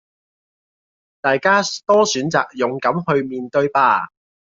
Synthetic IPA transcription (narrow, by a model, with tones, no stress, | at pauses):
t̪aː˨jkaː˥t̪ɔː˥syː˨˥nt͡sa̰ː˨k̚jʊ˨ŋkɐ˨˥mɦɵ˧ɥmiː˨nt̪ɵ˧ɥpaː˧